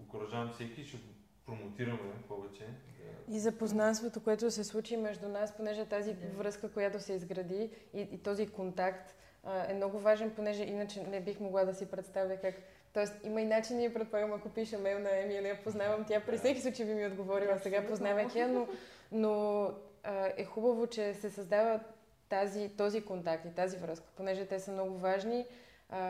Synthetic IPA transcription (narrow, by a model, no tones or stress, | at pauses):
okoɾɐʒaɐmfsɛkʲiʃɛ | pɾomot̪iɾɐmɛpɔvɛt͡ʃɛizɐpoznanst̪vot̪okoɛt̪ʊsɛslˠut͡ʃimɛʒd̪unasponɛʒɛt̪azivɾɤskəkojat̪osɛizɡɾɐd̪iː | t̪ɔzikont̪akt̪ | əɛmnɔɡʊvaʒɛnponɛʒɛʔinət͡ʃɛnɛbixmoɡlˠad̪ɐsipɾɛt̪st̪avjəkak | t̪ɔɛst̪iməinat͡ʃiniiəpɾɛt̪̚poɛvəmɐkopiʃəmɛlnɐɛmiənɛapoznavɐmt̪ʲapɾisɛkisˠut͡ʃivimiod̪ɡovɔɾivˠɐsɛɡapoznavət̪iəno | no | əɛxubəvot͡ʃɛsɛsɐzd̪avə | t̪azit̪ɔzikont̪ak̚t̪it̪azivɾɤskə̥ponɛʒɛt̪ɛsəmnɔɡʊvaʒni | ə